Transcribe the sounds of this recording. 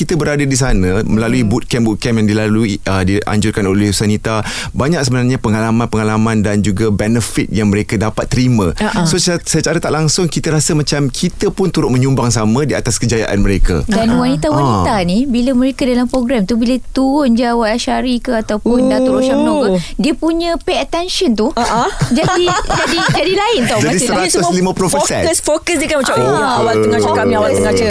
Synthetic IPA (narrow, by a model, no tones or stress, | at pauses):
kit̪əbəɾadadis̬anə̃məlaluibut̪̚kɛmbut̪̚kɛmjaŋdilaluiədia̰ɲd͡ʒʊrkanolɛhsanit̪a | baɲak̚səbənarɲapəŋalamãnpəŋalamãndand͡ʒuɡabɛnəfit̪̚jaŋmə̃ɾekadapat̪ːəɾimə̃asossat͡ʃaɾət̪aʔlaŋsʊŋkit̪əɾasəmat͡ʃamkʰit̪əpʊnt̪uɾʊt̪̚mə̃ɲumbaŋsamə̃diat̪askəd͡ʒaja̰ʔa̰nmə̃ɾeka̰danwanit̪awanit̪anibiləmə̃ɾekadalampɾoɡɾamt̪ubilət̪uɾʊnd͡ʒawaaʃaɾikəat̪awpʊndat̪ʊɾoʃamənõkədiəpuɲə̃peət̪ɛnʃənt̪uʔd͡ʒadid͡ʒadid͡ʒadilaɪnt̪ud͡ʒadissəɾat̪ʊslimə̃pulofsɛ̰nsfokəsdəkanmat͡ʃamawat̪əŋat͡ʃakamĩawaʔsəŋat͡ʃə